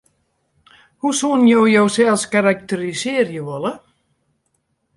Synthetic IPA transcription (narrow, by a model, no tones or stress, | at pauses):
husunjowjowsɛlskaɾak̚t̪ɛɾiseːɾjəvɔla